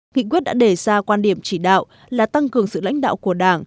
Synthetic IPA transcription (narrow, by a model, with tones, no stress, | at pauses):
ŋḭ˧˨kwi˦˥ət̚ɗa̰ː˧˥ɗe˧˩zaː˧kwaː˧nɗi˧˩əmt͡ɕi˧˩ɗa̰ː˧˨w | laː˨˩t̪a˧ŋkɨ˨˩əŋsɨ̰˧˨la̰˧˥jŋ̟ɗa̰ː˧˨wku˧˩əɗaː˧˩ŋ